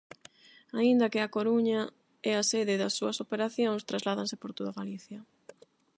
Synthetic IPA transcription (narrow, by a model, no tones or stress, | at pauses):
aind̪ɐkɪakoɾuɲa | ɛasɛðɪðɐsːuɐsopeɾaθjoŋst̪ɾazlaðaŋsɪpoɾt̪oðaɣaliθjɐ